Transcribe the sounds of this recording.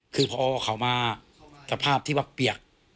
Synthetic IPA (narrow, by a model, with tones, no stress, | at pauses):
kʰɯː˧pʰɔː˧ɔ˧kʰa˩˦wmaː˧ | ka˨˩pʰaː˥˩p̚t̪ʰiː˥˩wa˧˥˩ppːi˨˩ək̚